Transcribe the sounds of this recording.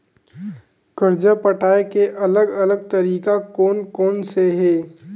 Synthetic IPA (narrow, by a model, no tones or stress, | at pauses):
kəɾd͡ʒəpəʈʰaːekeʔɐləɡɐləɡ̚t̪ɐɾiːkakoːnkoːnseɦɛː